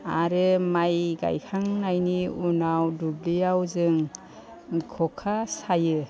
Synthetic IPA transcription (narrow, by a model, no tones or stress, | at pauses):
a̰ɾɯmajɡa̰jkʰaŋnajniunawdublijawzɯŋ | kʰɔkʰasajɯ